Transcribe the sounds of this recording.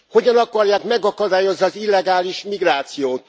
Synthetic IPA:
ho̞ɟɒnɒkɒrjaːkmɛɡɒkɒd̪aːjo̞zniɒzilːɛɡaːliʃmiɡraːt̪sijoːt̪

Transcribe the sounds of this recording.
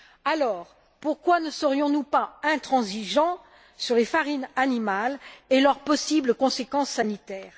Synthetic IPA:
alɔːʁ | puʁkwanəsəʁjɔ̃nupaɛ̃t̪χɑ̃ziʒɑ̃ | syʁlefaʁinanimalelœʁpɔsibləkɔ̃sekɑ̃sːanit̪ɛːʁ

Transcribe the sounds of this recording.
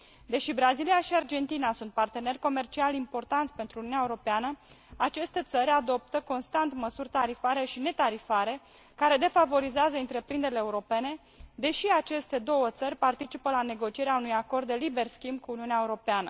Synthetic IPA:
d̪e̞ʃibɾazilijaʃiard͡ʒe̞nt̪inasunt̪̚part̪e̞ne̞rʲko̞me̞rt͡ʃialimpo̞rt̪ant̪sʲpe̞nt̪ɾuniuneaeuɾo̞peanə | at͡ʃe̞st̪e̞t̪səɾʲad̪o̞p̚t̪əko̞nst̪ant̪məsurʲt̪aɾifaɾe̞ʃine̞t̪aɾifaɾe̞kaɾe̞d̪e̞favo̞ɾizeazəɨnt̪ɾe̞pɾind̪eɾileːuɾo̞pe̞ne̞ | d̪e̞ʃiat͡ʃe̞st̪e̞d̪o̞wət̪sərʲpart̪it͡ʃipəlane̞ɡo̞t͡ʃijeɾeaunujako̞rd̪ːe̞libe̞rskʲimbkuːniuneaeuɾo̞peanə̰

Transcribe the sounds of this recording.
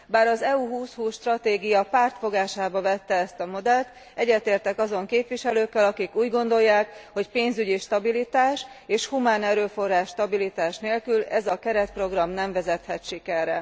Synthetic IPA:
baːɾɒzɛuɦuːshuːsʃt̪rɒt̪eːɡijɒpaːrt̪fo̞ɡaːʃaːbɒvɛt̪ːɛɛst̪ɒmo̞d̪ɛlt̪ | ɛɟːɛt̪eːrt̪ɛkɒzo̞ŋkeːpvʋiʃɛløːkːɛlɒkikuːɟɡo̞nd̪o̞jːaːkho̞cpeːnzyɟiʃt̪ɒbilit̪aːʃeːʃhumaːnɛɾøːfo̞rːaːʃːt̪ɒbilit̪aːʃneːlkylɛzɒkɛɾɛt̪̚pro̞ɡrɒmnɛɱvɛzɛt̪hɛt̪ʃikɛrːɛ

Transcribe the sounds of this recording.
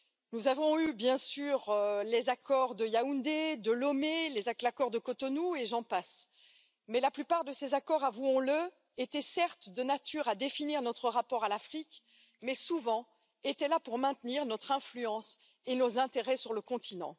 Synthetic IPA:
nuzavɔ̃ybjɛ̃syʁlezakɔʁd̪əjaũnd̪ed̪əlɔmelezaklakɔʁd̪əkɔt̪ɔnueʒɑ̃pas | mɛlaplypaʁd̪əsezakɔʁavuɔ̃lə | et̪ɛsɛʁt̪d̪ənat̪yʁad̪efiniʁnɔt̪χəʁapɔʁalafχik | mɛsuvɑ̃ | et̪ɛlapuʁmɛ̃t̪niʁnɔt̪χɛ̃flyɑ̃s | enozɛ̃t̪eʁɛsyʁləkɔ̃t̪ʰinɑ̰̃

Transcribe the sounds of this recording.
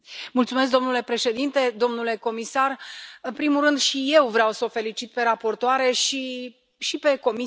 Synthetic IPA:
mult̪sume̞s̬k̚d̪o̞mnule̞pɾe̞ʃe̞d̪int̪e̞d̪o̞mnule̞ko̞misarɨnpɾimurɨnd̪ʃije̞wvɾeawsəofe̞lit͡ʃit̪̚pe̞ɾapo̞rt̪oaɾe̞ʃi | ʃipe̞ko̞mi

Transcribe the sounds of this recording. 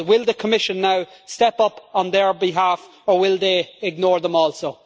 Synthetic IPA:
wɪlˠðəkʰəmɪʃə̃nːaʊstɛpʌpə̃nðə˞bɪɦaf | ə˞wɪlˠðeɪɡ̚nɔːɹðə̃mɔːlˠsoʊ

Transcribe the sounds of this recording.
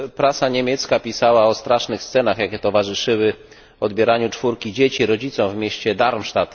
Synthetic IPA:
pɾasaɲemʲjɛt̪skapʲisawaɔst̪ɾaʂnɘxst̪sɛnaxjakʲɛt̪ɔvaʐɘʂɘwɘ | ɔd̪bʲjɛɾaɲut͡ʂfuɾkʲid͡ʑet͡ɕiɾɔd͡ʑit̪sɔ̃w̃vmʲeɕt͡ɕɛd̪aɾmʂt̪at̪

